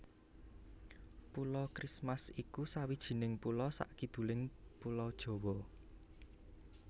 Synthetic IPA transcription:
pulɔkɾismasikusawid̥ʒ̥i̤nɪŋpulɔsa̰ʔkid̪̥ṳlɪŋpulɔd̥ʒ̥ɔ̤wɔ

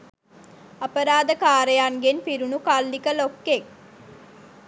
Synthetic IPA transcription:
ɐpəɾaːd̪əkaːɾejaŋɡenfiɾunukalːikəlokːek

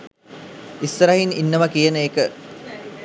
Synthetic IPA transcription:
isɾɐɦininːəmɐkijənəeːkə

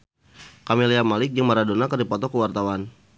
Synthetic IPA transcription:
kamiliamalɪk̚jaŋmaɾadonakərdipɔt̪ɔkəwart̪awan

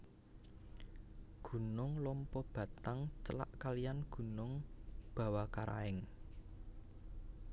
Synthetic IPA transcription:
ɡ̥ṳnʊŋlɔmpɔb̥ä̤t̪aŋt͡ʃəla̰ʔkalijanɡ̥ṳnʊŋb̥ä̤wakaɾʔa̰ɪŋ

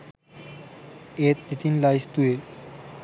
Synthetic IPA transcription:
et̪it̪inlajst̪ue

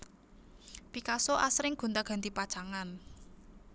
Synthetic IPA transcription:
pikasoʔasɾɪŋɡ̥ṳnt̪aɡ̥a̤nt̪ipad̥ʒ̥aŋan

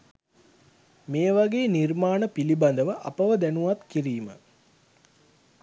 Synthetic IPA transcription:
meːʋaɡeːnirmaːnəpiliband̪əʋəʔɐpəʋəd̪ænuʋat̪kiɾiːmə

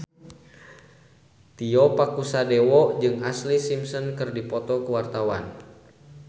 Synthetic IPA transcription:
t̪iɔpakusadewɔd͡ʒɨŋaslisimsɔnkɨrdipɔt̪ɔkəwart̪awan

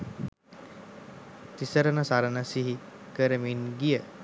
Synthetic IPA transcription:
t̪isəɾənəsaɾənəsiɦikəɾəminɡijə

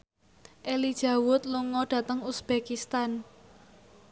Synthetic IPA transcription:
ʔelid̥ʒ̥a̤wʊt̪̚luŋɔɖ̥ä̤t̪əŋusb̥ekist̪an

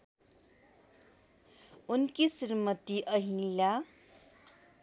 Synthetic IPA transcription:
unkisirmʌt̪iʔʌɦĩla

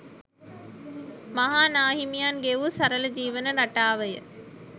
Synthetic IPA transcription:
maɦaːnaːɦimijaːnɡeʋusɐɾələd͡ʒiːʋənəɾaʈaːʋəjə̰

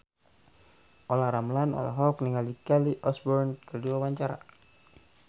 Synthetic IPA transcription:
ʔolaɾamlanɔ̰la̰ɦɔkniŋalikɛliʔɔsbɔrnkərduawaɲt͡ʃaɾa̰

